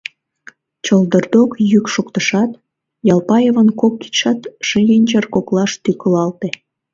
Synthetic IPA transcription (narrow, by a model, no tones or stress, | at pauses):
t͡ɕəld̪ərd̪okjykʃokt̪əʃɑt̪ | jɑlpɑjevənkokːi̥ʃɑt̪ʃəɡenʲt͡ɕərkoklɑʃt̪ykəlɑlt̪e